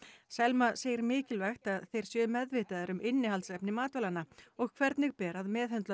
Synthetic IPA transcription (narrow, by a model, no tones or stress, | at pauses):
sɛlmaseːjɪɾmɪːcɪlvɛxt̪aðθejɾ̥sjœːmɛðvɪːt̪aðaɾʏmʔɪnːɪhalsɛpnɪmaːt̪ɔlanːaɔɣkʰvɛɾt̪nɪɣpɛːɾaðmɛːðhœnt̪la